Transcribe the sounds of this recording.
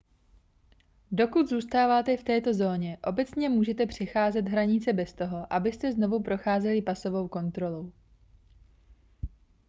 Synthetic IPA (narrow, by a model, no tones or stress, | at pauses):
do̞kud̪zuːst̪aːvaːt̪ɛft̪ɛːt̪o̞zo̞ːɲɛʔo̞bɛt͡sɲɛmuːʒɛt̪ɛpr̝̥ɛxaːzɛt̪ɦɾaɲɪt͡sɛbɛst̪o̞ɦo̞ʔabɪst̪ɛzno̞vupɾo̞xaːzɛlɪpaso̞vo̞wko̞nt̪ɾo̞lo̞w